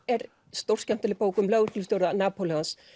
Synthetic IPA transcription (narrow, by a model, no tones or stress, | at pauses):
ɛɾ | st̪owr̥scɛm̥t̪ɛlɪpoːwkʏmlœɣʏt̪lʏst̪jowɾðanaːpolɪans